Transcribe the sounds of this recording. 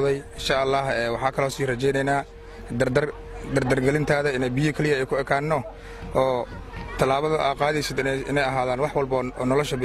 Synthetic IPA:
ðɛjɪnʃaːʔɐlːɑːhɛːwɑħɑːkʰɐlɔːsiːrɐt͡ʃɛjnɛjnaː | d̪ɐ | d̪ɐrd̪ɐrɡɐlɪnt̪ʰaːðɐɪnɛjbɪjɔkʰɛlɪjɐɛjkʰʊɛkʰaːnːɔ | ɔːt̪ʰɐlaːβɐðʊʔa̰ːd̪qaːðɛjsɪd̪ɪɪnɛjɐɦaːðaːnwɑħwɑlbɔɔːnɔlɔʃɐbɪ

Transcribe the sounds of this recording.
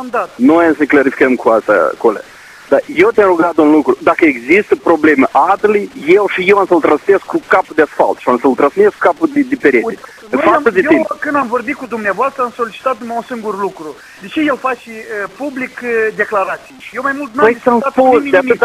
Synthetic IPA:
nd̪at̪nojamsəneklaɾifi̥kəmkuast̪a̰kola̰ | d̪ajewt̪ʲanɾuɡat̪unlukɾud̪akəeɡzist̪əpɾo̞ble̞məʔat̪lijjewʃijewamsəlt̪ɾansmeskukapud̪easfa̰lt̪ʃiamsəlt̪ɾãnsmesku̥kapud̪ed̪ipeɾet̪e | faəd̪eeikɨnd̪amvo̞rbit̪̚kud̪umneavoast̪ɾəamso̞lit͡ʃi̥t̪at̪̚numaunsɨŋɡurlukɾu | d̪et͡ʃe̞jelfat͡ʃiəpublikd̪e̞klaɾat̪sijjʃijewmajmult̪npjsamsposeat̪

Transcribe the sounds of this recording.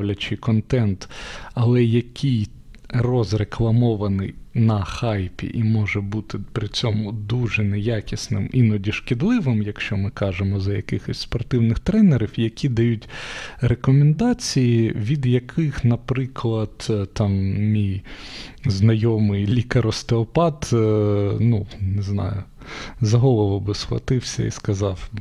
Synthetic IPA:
wlʲɐt͡ʃɪkɔnt̪ɛnt̪ɐlˠɛjɐkʲʰij | rɔzreklˠɐmɔʋɐnɪ̰jnɐxɑjpʲḭʔimɔʒɛbut̪ɪpɾɪt͡sʲɔmʊd̪uʒɛnɛjakʲisnɪ̰minɔdʲiʃkɪd̪lˠɪʋɪmjɐkʃt͡ʃɔmɪkɑʒemɔzɐjɐkɪxɔsʲspɔrt̪ɪwnɪxt̪ɾɛneɾʲɪwjɐkʲid̪ɐjutʲrekɔmend̪ɑt͡sʲijiʋʲid̪jɐkʰɪxnɐpɾɪklˠɐd̪̥t̪ɑmmʲij | znɐjɔmɪjlʲikɐɾɔst̪eɔpɑt̪ | nuneznɑ̰jʊ̰ | zɐɦɔlˠɔʋɐbɪsxlˠɐ̰t̪ɪwsʲɐ̰ḭskɐzɑw

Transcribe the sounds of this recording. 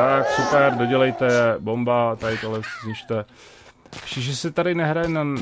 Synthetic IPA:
t̪aksupɛɾdoɟɛlɛjt̪ɛjɛbombat̪aɪt̪olɛzɲiʃt̪ɛ | ʃiʒɛsɛt̪aɾɪnɛɦɾajɛna

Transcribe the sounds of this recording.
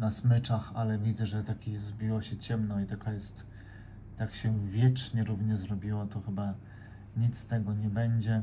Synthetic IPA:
nasmɘt͡ʂaxalɛvʲid̪zɛʐɛt̪akʲijzbʲiwɔɕɛt͡ɕɛmnɔit̪akajɛst̪ː | akɕɛvʲjɛt͡ʂɲɛɾuvɲɛzɾɔbʲiwɔt̪ɔxɘba | ɲit̪st̪ɛɡɔɲɛbɛɲd͡ʑɛ

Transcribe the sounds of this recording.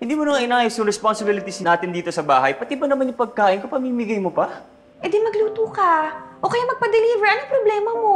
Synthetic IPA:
hɪ̃nd̪iːmonɐŋʔɪnaːjsjʊŋɾɛsponsɪbilɪt̪ɪsaːt̪ɪnd̪iːt̪o̞sɐba̰ːɦɐjpɐt̪ipɐnɐmanjʊŋpɐɡ̚kaːʔɪnkopɐmiːmɪɡajmopɐ | ʔɛd̪ɪnmɐɡluːt̪uːkɐʔoːkɐjamɐɡ̚pɐd̪ɛliːvɛɹʔɐnoŋpɾoblɛːmɐmo̞

